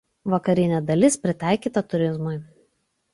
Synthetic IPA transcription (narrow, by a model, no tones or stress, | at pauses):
ʋɐkɐɾʲɪnʲɛd̪ɐlʲɪspʲɾʲɪt̪ɑˑɪkʲiːˑt̪ɐt̪ʊɾʲɪzmʊɪ